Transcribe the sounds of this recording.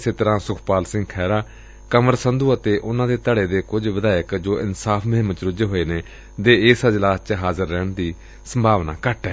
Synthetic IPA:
seːt̪əɾãːsʊkʰpaːlsɪ̃ŋɡ̚kʰɛːɾaː | kəməɾsənd̪uːət̪eːʔʊnãːd̪eːt̪əɽeːd̪eːkʊd͡ʒʋəd̪aːɪkd͡ʒoːʔɪnsaːpʰməɦəmət͡ʃɾʊd͡ʒeːɦoːeːneː | d̪eːɪːsəd͡ʒlaːst͡ʃɦaːzəɾːɛːɳd̪iː | səmbʱaːʋna̰ːkəʈɛː

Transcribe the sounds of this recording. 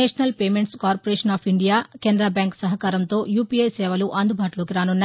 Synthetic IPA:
eːʂɐnɐlpeːmeɳʈskaːɾpoɾeːʂɐnaːpʰiɳɖijaːkeːnd̪ɾaːbaːŋksɐɦɐkaːɾɐmt̪o̞ːjuːpiesɛːʋɐluʔɐnd̪ubʱaːʈuloːkiɾaːnunːa

